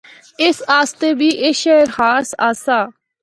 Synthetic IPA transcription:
ɪsaːst̪eːbiːʔɪʃɛːɾhaːɾsaːsaː

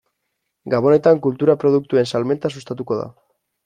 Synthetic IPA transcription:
ɡaβo̞ne̞t̪aŋkult̪uɾapɾo̞ðuk̚t̪ue̞nsalme̞nt̪as̬ust̪at̪uko̞ða̰

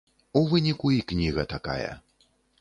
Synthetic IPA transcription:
uvɨnʲikuiknʲiɣɐt̪aka̰jɐ̰

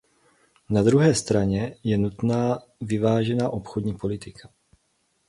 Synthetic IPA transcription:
nad̪ɾuɦɛːst̪ɾaɲɛjɛnut̪naː | vɪvaːʒɛnaːʔo̞pxodɲiːpo̞lɪt̪ɪkʰḁ

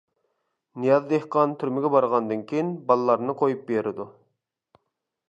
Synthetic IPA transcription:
nijɑzd̪ehqɑnt̪ʰyɾmɪɡʲɛbɑɾʁɑnd̪ɨnkʲʰejinbɑlˠlˠɑɾnɨqʰojup̚beɾɪd̪u

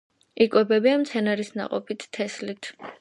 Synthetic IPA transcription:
ikʼwɛbɛbiamt̪sʰɛnaɾisna̰qʼɔpʰit̪ʰːɛslit̪ʰ

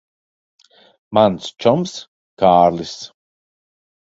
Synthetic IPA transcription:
manst͡ʃɔms | kaːɾlis

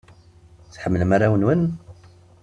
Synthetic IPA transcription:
t͡sħəmːələmaɾawənwən

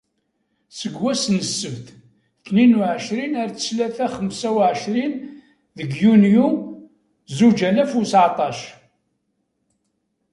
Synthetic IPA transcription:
səɡwæsnəsːəvθ | θninuʕəʃɾinæɾt͡sə̥slæθæχəmsæwʕəʃɾin | ðəɡjunju | zud͡ʒælæfusʕt̪ˤɑʃ

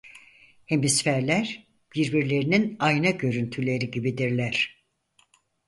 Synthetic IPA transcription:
he̞misfæɾlʲæɾ̥ | b̥iɾbiɾlʲe̞ɾininajnaɟø̞ɾynt̪ʰylʲe̞ɾiɟibid̪iɾlʲæɾ̥

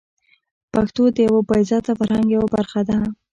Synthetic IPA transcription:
paxt̪od̪əjawabɑjzɑt̪afaɾhaŋɡjawabaɾxad̪a

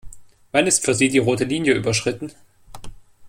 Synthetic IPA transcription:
v̥anɪstfyːɐziːdiːʁoːtəliːnjəʔy̰ːbɐʃʁ̥ɪtn̩

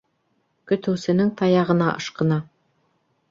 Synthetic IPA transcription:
kɵ̆t̪ɘ̆wsɘ̆nɘŋt̪ɑjɑʁɤ̆nɑʔɤ̰̆ʃqɤ̆nɑ

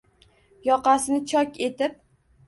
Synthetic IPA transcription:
jɒqɑsɪnɪt͡ʃʰɒkʲe̞t̪ɪp̚

